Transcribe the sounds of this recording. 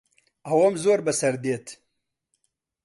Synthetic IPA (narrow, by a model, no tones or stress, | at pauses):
awomzoːɾbɐsɐɾd̪eːt̪ʰ